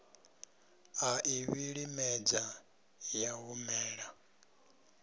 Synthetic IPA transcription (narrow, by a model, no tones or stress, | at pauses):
aʔiβiɺimɛd͡za | jaɦumɛːɺa